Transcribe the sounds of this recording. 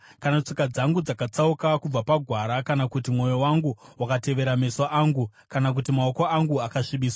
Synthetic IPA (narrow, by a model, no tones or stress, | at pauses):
kanat͡ʂikad͡zaŋɡud͡zakat͡saukakub͡vapaɡʱwaɾakanakut̬imŋo̞jowaŋɡuwakate̞ʋe̞ɾame̞soʔaːŋɡu | kanak̬utimaoko̞aŋɡuakaʂiɓiːswa